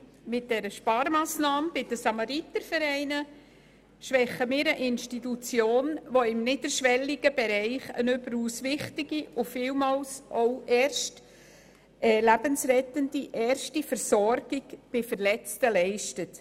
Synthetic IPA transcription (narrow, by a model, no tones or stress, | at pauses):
mɪt̚d̥ɛɾəʃpɑːɾmɑːsnɑːmb̥ɪd̥əsɑmɑɾit̪əɾfəɾɛɪnə | ʃʋɛχəmɪːɾəʔɪnʃtitut͡sjoːnʋoɪmnɪdəɾʃʋɛliɡəbɛɾɛɪχə̰nʏbəɾusʋɪχtɪɡiʊfɪlmɑːlsʔoʊʔɛːɾʃt | ʔɛlæbənsrɛtənd̥iʔɛːɾʃtifəɾsɔɾɡ̥ɪɡb̥ɪfəɾlɛt͡stəlɛɪʃtət